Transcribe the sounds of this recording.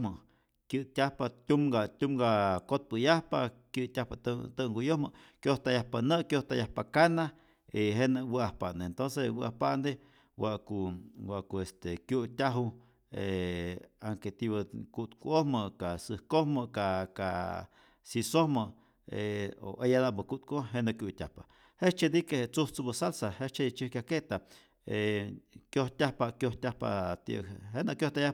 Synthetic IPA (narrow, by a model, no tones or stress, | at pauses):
mə | kjɨt̪ʲahpat̪ʲumɡat̪ʲumɡakot̪̚pəjahpakjɨʔt̪ʲahpat̪t̪əŋɡujohməkjoht̪ajahpanəʔkjoht̪ajahpakana | iɦenəwəahpand̪eent̪onsewɨʔahpand̪e | waʔkuwaʔkuest̪ekjut̪ʲaɦu | e | aŋket̪iβəkut̪kʷuohməkasɨhkohməkaka | sisohməʔ | eo̰ʔejanaʔbəkut̪̚kʷoɦenakjut̪ʲa̰hpaʔ | het͡ʃed̪ikehet͡suht͡subəsalsahet͡ʃet͡ʃihkʲjʲaket̪a | ekjoht̪ʲahpaʔkjoht̪ʲahpa̰t̪ḭʔɦenaʔkjoht̪aja